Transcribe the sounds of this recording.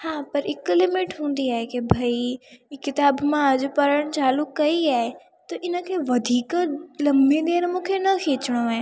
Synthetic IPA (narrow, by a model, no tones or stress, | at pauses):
hãːpɐɾɪklɪmɪʈɦũːnd̪iaːɦekebʱaikɪt̪aːbmãd͡ʑopɐɾəɽ̃t͡ɕaːlʊkːɐiaːe | t̪oʔɪnəkʰeːʋɐd̪ʱiːklɐmbed̪eːɾmũːkʰenɐkʰeːt͡ɕɽ̃oaɦẽ